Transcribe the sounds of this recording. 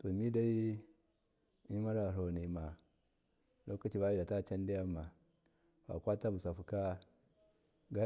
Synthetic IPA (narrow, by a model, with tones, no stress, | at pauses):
to˨mi˦da˦i˦ | i˦ma˦ɾa˨ɾo˨ni˨ma˨ | lo˦ka˦t͡ʃi˦ba˦ji˦da˨ta˦t͡ʃa˦n˦di˦ja˦ma˨ | wa̰˨kʷa˦ta˦bu˨sa˨fu˨ka˦ | ɡa˦